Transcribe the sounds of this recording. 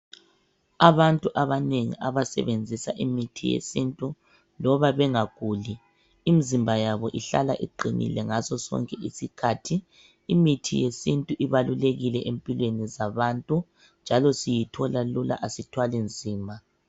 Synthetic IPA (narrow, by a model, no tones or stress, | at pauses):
aβantʼuʔaβaneŋḭʔaβasɛ̰βend͡zʱisa̰ʔimitʰijḛsintʼu | lɔβaβɛŋaɣ̥ʱuːli | imizimbʱajaβɔʔiɬa̰laʔḭǃʱinḭlɛŋazɔsɔ̰ŋkʼɛʔisikʰatʰiː | mitʰḭjesintʼuʔiβaluleɣilɛʔempʼilwenizaβantʼu | nd͡ʒʱalɔsijitʰɔlalula̰ʔasitʰwalind͡zʱiːmbʱa